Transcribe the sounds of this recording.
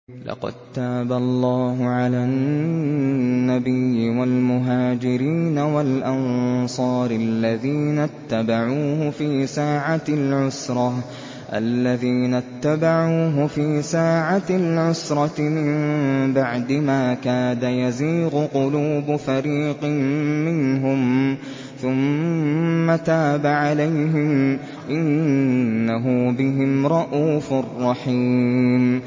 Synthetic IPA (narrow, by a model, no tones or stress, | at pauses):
lɑ̰qɑ̰d̪̚t̪aːbalˤːɑːɦʊʕala | nːabɪjːɪwalmʊɦaːd͡ʒɪɾiːnawalʔansˤɑːɾɪlːaðiːnat̪ːabaʕuːhʊfiːsaːʕalʕʊsɾˤɑ | ʔa̰lːaðiːnat̪ːabaʕuːɦʊfiːsaːʕaalʕʊsɾˤɑmɪmbaʕd̪ɪmaːkaːd̪ajaziːɣʊqʊluːbfaɾiːqmɪnɦʊm | θʊmː | at̪aːbaʕalajɦɪm | ʔɪnː | aɦʊbɪɦɪmɾˤɑʔuːfʊrˤːɑħiːm